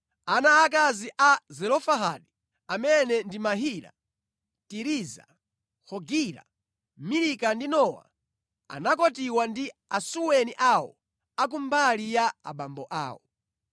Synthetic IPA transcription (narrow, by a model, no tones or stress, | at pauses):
anaːk̬aziʔazɛlɔfaɦaɗi | amɛnɛndimaɦiːɾa̰ | tiɾiza̰ | hɔɡiɾa̰ | miɾikandinɔwa̰ | a̰nak̬ɔtiwandiasuwɛniʔawɔ̰ | ak̬umbalijaaɓambɔʔa̰ːwɔ̰